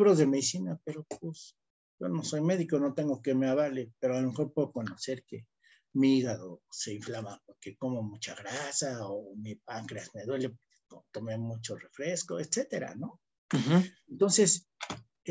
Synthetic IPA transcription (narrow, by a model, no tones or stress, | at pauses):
βɾo̞zðemeðisinapeɾo̞pus | ʝo̞no̞so̞jme̞ðikono̞t̪e̞ŋɡokemeaβalepeɾoalome̞xo̞ɾpwe̞ðoko̞no̞se̞ɾke | miiɣaðose̞iɱflamapoɾkeko̞momut͡ʃaɣɾasaomipaŋkɾeasmeðwe̞lepoe̥ot̪o̞memut͡ʃo̞re̞fɾe̞sko̞et̪se̞t̪e̞ɾa̰no̞ | ent̪o̞nse̞s